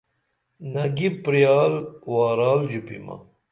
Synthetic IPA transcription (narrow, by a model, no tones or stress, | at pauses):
nɐɡipːɾijaːlwaːɾaːld͡ʑupḭmɐ̰